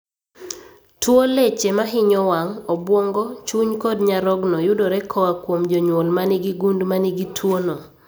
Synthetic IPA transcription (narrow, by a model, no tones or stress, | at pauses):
twolet͡ʃemaɦɪɲɔwaŋɔbwoŋɡɔt͡ʃuɲkɔdɲaɾɔɡnɔjʊdoɾɛkʰɔwakwomd͡ʒɔɲwolmanɪɡiɡundmanɪɡitʰwonɔ